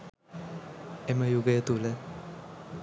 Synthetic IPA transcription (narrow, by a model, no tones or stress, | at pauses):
eməjuɡəjət̪ulə